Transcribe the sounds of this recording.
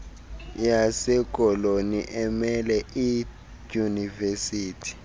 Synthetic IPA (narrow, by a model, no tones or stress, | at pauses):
jasɛk̬ʼɔloniʔɛmɛlɛi | univesiːtʰi̥